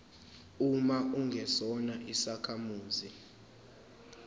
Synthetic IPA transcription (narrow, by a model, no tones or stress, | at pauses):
umaʔuŋɡʱɛsɔnaʔisakʰamuːzi